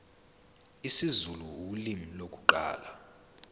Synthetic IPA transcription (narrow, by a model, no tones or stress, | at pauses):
isizuluulimilok̬ʼuǃa̰ːla